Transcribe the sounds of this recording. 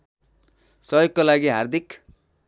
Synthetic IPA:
sʌjokːolaɡiɦard̪ʱik

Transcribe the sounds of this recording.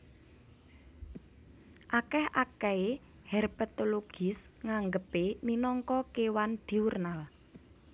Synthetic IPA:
ʔakɛhakɛe | hɛrbət̪oloɡ̥ɪsŋaŋɡəpeninɔŋkɔkewand̪̥i̤urnal

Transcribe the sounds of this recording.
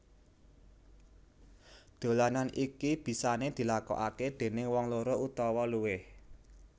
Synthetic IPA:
d̪̥o̤lananʔikib̥i̤saned̪̥i̤lakɔ̰ʔaked̪̥e̤nɪŋwɔŋloɾoʔut̪ɔwɔluwɪh

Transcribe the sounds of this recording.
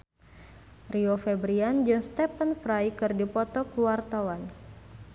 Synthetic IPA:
riofɛbɾiand͡ʒunst̪ɛpənfɾajkɨrdipɔt̪ɔkuwart̪awan

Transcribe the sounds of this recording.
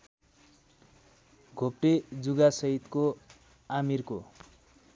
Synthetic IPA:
ɡʱop̚ʈed͡zuɡasʌɦit̪ko | amirko

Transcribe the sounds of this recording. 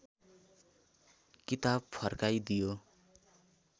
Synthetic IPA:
kit̪ab̚pʰʌrkajd̪ijo

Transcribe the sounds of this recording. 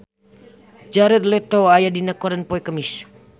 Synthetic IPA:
d͡ʒaɾərlɛt̪oajadinakɔɾənpoikəmis

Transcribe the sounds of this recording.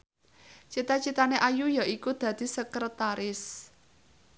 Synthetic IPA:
t͡ʃit̪at͡ʃit̪aneʔajujaʔikud̪̥ä̤d̪̥i̤səkrət̪aɾɪs

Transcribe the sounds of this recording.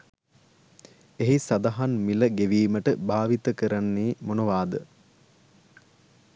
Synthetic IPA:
eɦisad̪aɦanmiləɡeʋiːməʈəbaːʋit̪əkəɾanːiːmonoʋaːd̪ə

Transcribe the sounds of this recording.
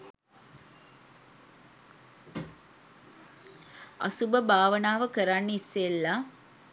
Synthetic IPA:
ɐ̰subəbaːʋənaːʋəkəɾanːeisːelːa

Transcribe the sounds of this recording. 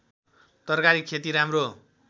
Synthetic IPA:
t̪ʌrkaɾikkʰet̪iɾamro

